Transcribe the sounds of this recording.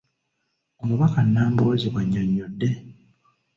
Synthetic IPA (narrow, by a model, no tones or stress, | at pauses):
omuβakanːaːmboːziɡwaɲːoɲːodːe̞